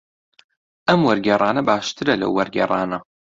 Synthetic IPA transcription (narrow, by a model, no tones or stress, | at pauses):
ʔɐmwɐɾɡʲɛrˤʔɑːnɐbaːʃt̪ʰɨɾɐlɐ̰wːɐɾɡɛ̰rˤɑːnɐ